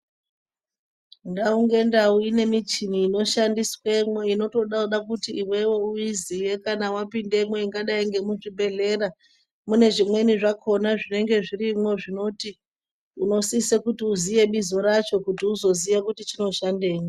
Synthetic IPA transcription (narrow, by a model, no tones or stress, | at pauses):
ndauŋɡe̞ndauine̞mit͡ʃiniːno̞ʃandiswe̞mwoino̞to̞ɗauɗakutiːwe̞we̞uizije̞kanawapinde̞mwe̞iŋɡaɗaiŋɡe̞muʐibʱe̞ɮe̞ɾa | mune̞ʐimwe̞niʐakʰo̞naʐine̞ŋɡe̞ʐirimwo̞ʐino̞ti | uno̞sisekutiuzije̞ɓizo̞ɾat͡ʃo̞kutiuzo̞ziʋakutit͡ʃino̞ʃande̞ːmwo